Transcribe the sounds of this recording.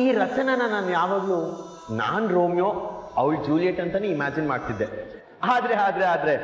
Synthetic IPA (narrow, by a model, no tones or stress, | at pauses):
iːɾɐt͡ʃɐnɐnɐnaːnjaːʋaːɡlu | na̰ːnɾoːmjoːɐʋɭd͡ʒuːlijeʈːɐnt̪ɐneimaːd͡ʒinmaːɖt̪id̪ːe | aːd̪ɾe̞aːd̪ɾeaːd̪ɾe̞